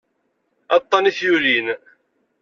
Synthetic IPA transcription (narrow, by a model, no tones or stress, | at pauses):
ɑt̪ˤːɑniθjulin